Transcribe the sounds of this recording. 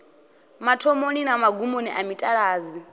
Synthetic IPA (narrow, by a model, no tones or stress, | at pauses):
matʰɔmoninamaɡumoniʔamitʼaɺaːzi